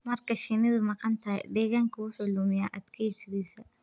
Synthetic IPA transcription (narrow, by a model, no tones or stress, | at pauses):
mɐrkʰɐʃɪnɪðʊmɑqɑnt̪ʰɐj̰d̪ɛːɣaːŋkʰɐʊħɔluːmɪjaːʔɐd̪kʰɐsɪɾisɐ